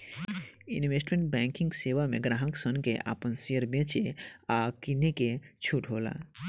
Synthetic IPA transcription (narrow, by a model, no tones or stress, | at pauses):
ḭnʋesʈmẽɳʈ̚bɛ̃ŋkĩŋɡseʋameɡɾãɦəksənkeʔa̰ːpənsiəɾbẽt͡ʃʰeakineket͡ʃʰuʈɦola̰